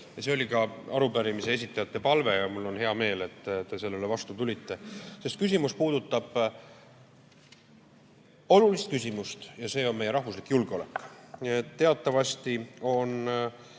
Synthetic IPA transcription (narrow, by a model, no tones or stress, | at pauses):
jɑse̞o̞lʲikɑɑɾupæɾimise̞e̞s̬it̪ˑːɑjɑt̪ːe̞pɑlve̞jɑmulːo̞nɦe̞ɑme̞ːle̞t̪ːt̪ːe̞se̞lːele̞vɑst̪ut̪ulʲit̪ːe̞se̞st̪̚kys̬ʲimuspuːd̪̥ut̪ːˑɑb̥ | o̞lulist̪̚kysʲimust̪jɑse̞ːo̞nme̞je̞ɾɑhvuslikːjulɡ̥eo̞le̞̰kːˑniet̪ːe̞ɑt̪ːˑɑvɑst̪io̞n